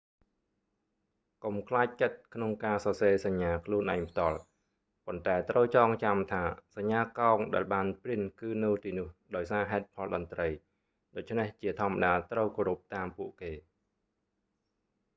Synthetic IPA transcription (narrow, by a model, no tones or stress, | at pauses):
komkʰlaːc̚t͡ɕət̪̚kʰnoŋkaːsɑːseːsaɲːaːkʰluənʔaɛŋpʰt̪ŏəl | pont̪aɛt̪rəwt͡ɕɑːŋt͡ɕamt̪ʰaːsaɲːaːkaɔŋɗaɛlɓaːnpriənkɨːnɨwt̪iːnŭəhɗaɔjsaːɦaɛt̪̚pʰɑlɗɑnt̪rəj | ɗoːc̚t͡ɕʰneht͡ɕiət̪ʰŏəmːaɗaːt̪rəwkoːɾup̚t̪aːmpuəʔkeː